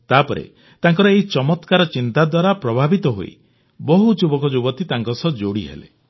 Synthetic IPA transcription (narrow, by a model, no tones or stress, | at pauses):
t̪apɔɾḛ | t̪aŋkɔɾɔeɦit͡ʃɔmɔt̪kaɾɔt͡ʃint̪ad̪waɾapɾɔbʱabit̪ɔɦo̰ḭ | bɔɦud͡ʒubɔkɔd͡ʒubɔt̪it̪aŋkɔsɔd͡ʒoɽiɦḛlḛ